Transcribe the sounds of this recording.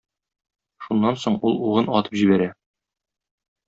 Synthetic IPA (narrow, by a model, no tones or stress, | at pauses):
ʃunːɑnsoɴulˠuʁɤnɒt̪ɤ̥pʑibæɾæ